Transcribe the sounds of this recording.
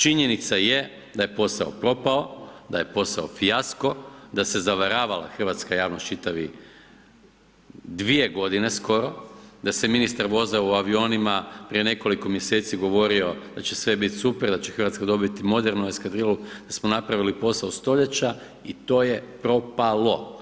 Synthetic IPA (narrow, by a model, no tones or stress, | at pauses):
t͡ʃiɲe̞nit̪saje̞ | d̪aje̞po̞saopɾo̞pao̞d̪aje̞po̞sao̞fijasko̞d̪ase̞zaʋaɾaːʋala̰xr̩ʋat̪skajaːʋnost͡ʃit̪aʋi | d̪ʋije̞ɡo̞d̪ine̞sko̞ɾo̞d̪aseminist̪aɾʋo̞zauaʋio̞nimapɾije̞ne̞ko̞liko̞mje̞set̪siɡo̞ʋo̞ɾio̞d̪at͡ɕe̞sʋe̞bit̪supeɾd̪at͡ɕexər̩ʋat̪skad̪o̞bit̪imo̞d̪e̞ɾnue̞skad̪ɾilˠud̪̥asmo̞napɾaʋilipo̞saost̪o̞ʎe̞t͡ɕa | it̪o̞ːje̞pɾo̞palˠo̞